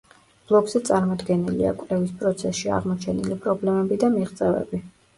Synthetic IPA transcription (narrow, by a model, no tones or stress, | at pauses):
b̥lˠɔɡzɛt̪sʼaɾmɔd̪ɡɛnilḭa̰kʼvlɛvispʼɾɔt̪sʰɛsʃia̰ʁmɔt͡ʃʰɛnilipʼɾɔblɛmɛbid̪amiʁt̪sʼɛvɛ̰bi